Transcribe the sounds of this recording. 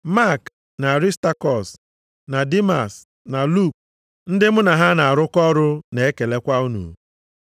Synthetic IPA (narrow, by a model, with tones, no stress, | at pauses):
ma˦˨k | na˨ɾi˦sta˦kɔ˨s | na˨di˦ma̰˨s | na˨lu˦˨k̚ | n̩˦dɪ˦m̩˦na˨ɦa˦na˨a˨ɾʊ˦kɔ˦ɾʊ˦ne˨e˦ke˨le˦kʷa˦u˦nṵ˨